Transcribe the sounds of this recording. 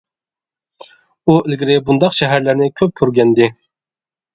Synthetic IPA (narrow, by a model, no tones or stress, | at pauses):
uɪlɡʲiɾɪbund̪ɑqʃɛɦæɾlæɾnɪkʲʰøp̚kʲʰøɾɡʲɛnd̪ɪ